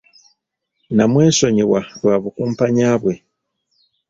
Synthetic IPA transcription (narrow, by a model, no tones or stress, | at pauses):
namweːʃoɲiwaɾwaβukumpaɲaːβwe